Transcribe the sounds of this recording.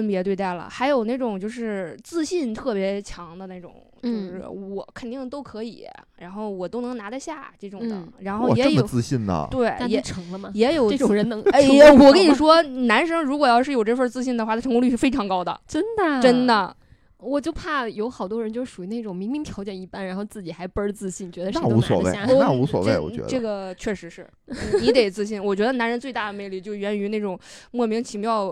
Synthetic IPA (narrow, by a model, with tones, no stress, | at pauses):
fə˥npjɛ˧˥t̪we˥˧ɪt̪a˥˩ɪlə̰˩xa˧˥ɪjo˨˩ʊna˥˩ʈ͡ʂʊ˨˩ŋt͡ɕjo˥˧ʊʂɻ̩˥˧t͡sɹ̩˥˧ɕi˥˧nt̪ʰɤ˥˩pjɛ˧˥t͡ɕʰjɑ˧˥ŋd̪ə˧na˥˩ʈ͡ʂʊ̰˨˩˦ŋt͡ɕo˥˧˩ʂɻ̩˥˩wɔ˨˧˩kʰə˨˩nt̪i˥˩ŋt̪o˥ʊkʰɤ˧˥ḭ˨˩˦ɻa˧˥nxo˥˩ʊwɔ˨˩t̪o˥ʊnɤ˧˥ŋna˧˥d̪ə˧ɕja˥˩ʈ͡ʂɤ˥˩ʈ͡ʂʊ˨ŋdə̰˩˦ɻa˧˥nxo˥˩˧ʊjɛ˧˥ə˥jomə˩t͡sɹ̩˥˧ɕi˥˩nnə̰˩we˥˩ɪ˥jɛ˧˥ʈ͡ʂʰɤ˧˥ŋlə˧mɐ˨˩jɛ˧˥jo˨˩˧ʊə˥˩ʈ͡ʂʊ˨˩ŋɻə˧˥nɤ˧˥ŋ˥˩˥wɔ˨˩kə˥ni˨˩ʂwɔ˥na˧˥nʂɤ˥ŋɻu˧˥kwɔ˨˩jɑ˥˧ʊʂɻ̩˥˩jo˨˩ʊʈ͡ʂɤ˥˧fə˞˥˧t͡sɹ̩˥˧ɕ̬i˥˩nd̪ə˩xwa˥˩d̪ə˩ʈ͡ʂʰɤ˧˥ŋku˥ly˥˩ʂ̩˥˩fe˥ɪʈ͡ʂʰɑ˧˥ŋkɑ˥ʊd̪ə̰˨ʈ͡ʂə˥nd̪ə˨ʈ͡ʂə˥nd̪ə˨ | wɔ˨˩t͡ɕjo˥˧ʊpʰa˥˩jo˧˥ʊxɑ˨˩ʊt̪wɔ˥ɻə˧˥nt͡ɕjo˥˧ʊʂu˨˩y˧˥ne˥˩ʈ͡ʂʊ˨˩ŋmi˧˥ŋmi˧˥ŋt̪ʰjɑ˧˥ʊt͡ɕjɛ˨˩ni˧˩pa˥nɻa˧˥nxʊt͡sɹ̩˥˩t͡ɕi˨˩xa˧˥ɪpə˥ə˧t͡sɹ̩˥˧ɕi˥˩nt͡ɕɥɛ˧˥d̪ə˧na˥˩u˧˥sswɔ̰˧˨˩w̰̪a˥˩u˧˥swɔ̰˨˩wee˥˩ɪwɔ̰˨˩t͡ɕɥɛ̰˧˥dʈ͡ʂɤ˥˩ɡə˩t͡ɕʰɥɛ˥˩ʂɻ̩˧˥ʂɻ̩˥˩ | n̩˥˩ni˧˥t̪e˨˩ɪt͡sɹ̩˥˧ɕ̬i˥˩nwɔ˨˩t͡ɕɥɛ˧˥d̪ə˧na˧˥nɻə˧˥nt͡swe˧t̪a˥˩d̪ə˩me˥˧ɪly˥˩t͡ɕjo˥˧ʊɥɛ˧˥ny˧˥ne˥˩ʈ͡ʂʊ˨˩ŋmwɔ˥˩mi˧˥ŋt͡ɕʰi˧˥ŋpjɑ˥˧ʊ